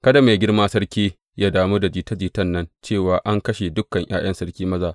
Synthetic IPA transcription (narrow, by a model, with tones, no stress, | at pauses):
kɐ˦da˨ma˨jɡʲɪ˦rmaː˦sɐ˦rkʲiː˦ | jaː˦daː˨mu˦da˨d͡ʒiː˨tɐ˦d͡ʒiː˨tɐ˦˨nːɐ˦nt͡ʃeː˦˨waː˨ʔa˦ŋkɐ˦ʃe˨dʊ˦kːɐ˨ŋj̰a̰ː˦j̰ɐ˦nsɐ˦rkʲiː˦mɐ˦zaː˨